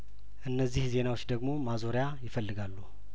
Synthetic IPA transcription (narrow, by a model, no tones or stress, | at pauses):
ʔɨnːəzːihze̞nawot͡ʃːd̪əɡmo̞mazo̞ɾjajɪfəlːɨɡalːu